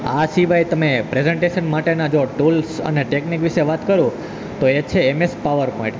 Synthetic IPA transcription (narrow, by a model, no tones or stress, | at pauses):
asiʋajt̪əmepɾezeɳʈeʃənmaʈenad͡ʒoʈulsə̰neʈeknikʋiʃeʋat̪kəɾũ | t̪oet͡ʃʰeːmespaʋəɾpɔĩɳʈ